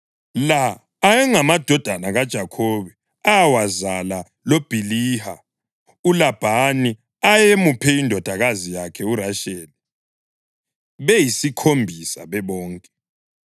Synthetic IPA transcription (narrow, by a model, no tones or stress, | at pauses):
laː | jɛŋamad̥ʱɔd̥ʱanaɣad̥ʒ̥ʱakʰoβɛ | awazala | lob̥ʱiliha̰ | ulab̥ʱani | ajemupʰɛindʱɔd̥ʱaɣazijakʰɛuraʃeːli | βejisikʰombʱisa̰βɛβɔːŋkʼɛ